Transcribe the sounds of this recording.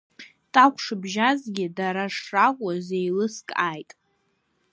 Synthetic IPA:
tʼakʷʰʂɨbʒazɡʲɪdaɾaʂrakʷʼazejlɨskʼaːjtʼ

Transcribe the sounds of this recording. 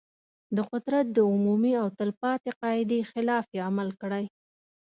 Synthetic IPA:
d̪əqʊd̪ɾat̪̚d̪əʊmumiawt̪əlpɑt̪eqɑɪd̪exɪlɑfjeamalkəɽaj

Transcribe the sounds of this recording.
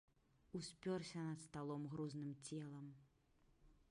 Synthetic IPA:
usʲpʲɔrsʲɐnɐt̪st̪alˠɔmɣɾuznɨmt͡sʲɛlˠɐm

